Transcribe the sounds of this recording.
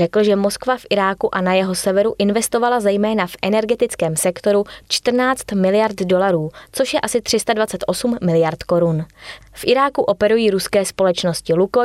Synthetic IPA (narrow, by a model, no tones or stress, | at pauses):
ɛkl̩ʒɛmo̞skvafʔɪɾaːkuʔanajɛɦo̞sɛvɛɾuʔɪnvɛst̪o̞valazɛjmɛːnafʔɛnɛɾɡɛt̪ɪt͡skɛːmsɛkt̪o̞ɾut͡ʃt̪r̩naːt͡st̪mɪlɪjaɾt̪do̞laɾuːt͡soʃjɛʔasɪt̪r̝̥ɪst̪advat͡sɛt̪ʔo̞sumːɪlɪjaɾt̪ko̞ɾunfʔɪɾaːkuʔo̞pɛɾujiːɾuskɛːspo̞lɛt͡ʃno̞scɪluko